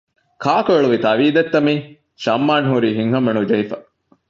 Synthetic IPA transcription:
kʰaːkoeɭuʋit̪ɐʋiːd̪et̪ːɐmiː | ʃɐmːaːnɦuɾiːɦiŋɦɐmːenud͡ʒɐifɐ

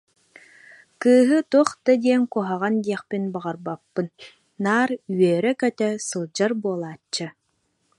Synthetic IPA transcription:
kɯːɦɯt̪uɔχt̪ad̪ʲiɛŋkuɔɦaʁand̪iɛχpinbaʁaɾbapːɯnː | aːɾyɥœːɾɛkœt̪œsɯlˠd͡ʑaɾbuɔlˠaːt͡ɕːɯ

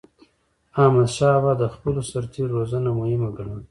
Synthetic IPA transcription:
ɑmad̪ʃɑbad̪əxpəlosaɾt̪ʰeɾːozanamʊhɪmaɡaɳan

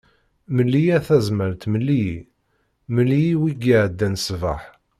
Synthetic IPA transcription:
məlːijæθæzməlt̪məlːi | məlːijiwiɡiʕd̪ːænsvə̰ħ

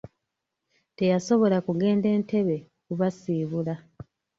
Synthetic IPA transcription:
te̞jaso̞βo̞lakuɡe̞ːnde̞ːnte̞βe̞ | kuβasiːβula

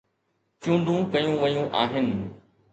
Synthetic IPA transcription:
t͡ɕũːɳɖ̪ʱũkɐjũʋɐjũʔaːɦɪnɪ̆

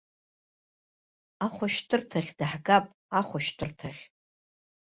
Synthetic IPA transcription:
aχʷaʃtʰʼɨrtʰaχʲdaħɡapʼ | aχʷaʃtʰɨrtʰaχʲ

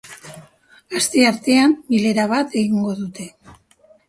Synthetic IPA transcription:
ast̪e̞aɾt̪e̞ambile̞ɾaβ̞at̪e̞ɣiŋɡo̞ðut̪e̞

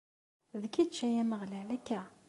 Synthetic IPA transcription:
ðkid̪t͡ʃːæjæməʁlælækːæ

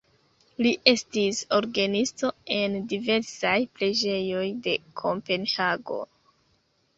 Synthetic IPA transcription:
liʔe̞stisoɾɡanisto̞e̞ndive̞ɾsajpɾe̞d͡ʒe̞jo̞jde̞kʰompe̞nhaɡo̞̰

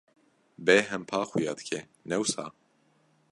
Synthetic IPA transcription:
bɛɦɛmpʰaːxujɑ̰ːd̪ɨ̥kʰɛ | nɛwsa̰ː

